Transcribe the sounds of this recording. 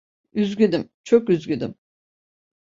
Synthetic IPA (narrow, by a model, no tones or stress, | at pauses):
yzɡyd̪im | t͡ʃʰokyzɡʲyd̪ḭm